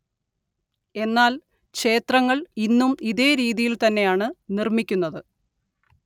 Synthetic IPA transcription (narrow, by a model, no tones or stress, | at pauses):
e̞nːaːl | kɕe̞ːt̪rɐŋːɐɭinːumiðe̞ːɾiːðijilt̪ɐnːe̞jaːɳɨnirmikʲːunːɐðɨ